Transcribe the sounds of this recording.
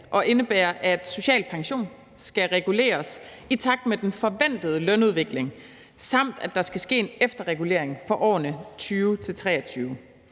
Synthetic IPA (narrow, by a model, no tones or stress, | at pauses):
ʔɒ̽ʔe̝nəb̥eːɐʔæd̥so̝ɕɛ̰ːlpʰɑ̈ŋɕo̝̰ːn | sɡ̥æʁɛɡ̥ule̝̰ːɐs | it͡sʰɑ̈ɡ̥̚d̥med̥enfɒ̽ʋæn̰d̥ð̞̩ˠəlœnuð̞ˠʋe̝ɡ̥le̝ŋ | sɑ̈m̰d̥æd̥ɑ̈sɡ̥æsɡ̥e̝̰ːenefd̥ɐʁɛɡ̥ule̝ɐ̰eŋfɒ̽ʔɒ̰ːnət͡sʰyːʊt͡sʰe̝lt͡sʰʁɛ̰ːɐt͡sʰyːʊ